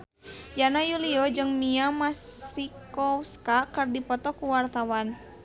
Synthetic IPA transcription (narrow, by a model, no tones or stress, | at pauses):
janajuliɔd͡ʒɨŋmiamasikɔwskakərdipɔt̪ɔkuwart̪awan